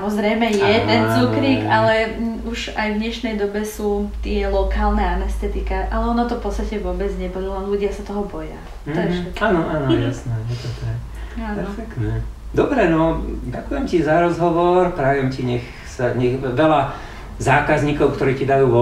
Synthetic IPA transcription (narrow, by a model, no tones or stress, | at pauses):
samɔzɾɛjmɛjɛt̪ɛnt͡sukɾiːkalɛ | uʒajvɲɛʃnɛjd̪ɔbɛsuːt̪ɪɛlɔkaːlnɛanɛst̪ɛt̪ikaʔalɛɔnat̪ɔfpɔt̪t͡sst̪acɛʋʊɔbɛd͡zɲɛpɔlulanluɟɪasat̪ɔɦɔbɔja̰ | t̪aʒɛɛaːnɔʔaːnɔjasnɛjɛt̪ɔt̪ak | apɛɾfɛkt̪nɛd̪ɔbɾɛnɔɟakujɛmcizaɾɔzɦɔʋɔɾpɾaʋɪɛmciɲɛx | saɲɛɣʋɛla | zaːkazɲiːkɔʊkt̪ɔɾiːcid̪ajuːʋɔ